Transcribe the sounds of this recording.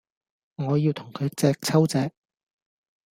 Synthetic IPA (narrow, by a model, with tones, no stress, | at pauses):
ŋɔː˨˧jiː˧wt̪ʰʊ˨˩ŋkʰɵ˨˧ɥt͡sɛː˧k̚t͡sʰɐ˥wt͡sɛː˧k̚